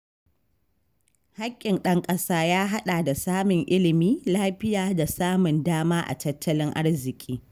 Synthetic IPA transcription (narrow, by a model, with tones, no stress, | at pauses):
ha˦kʲʼːɪ˨nɗɐ˦ŋkʼɐ˦saː˦jaː˦ɦa˦ɗa˨da˨saː˦mʊ˨ŋʔɪ˦lɪ˨miː˦laː˦ɸɪ˦jaː˨da˨saː˦mʊ˨ndaː˦maː˦ʔa̰˨tɐ˦tʰːɐ˦lɪ˦ŋʔa̰˦rzɪ˨kʲʼiː˦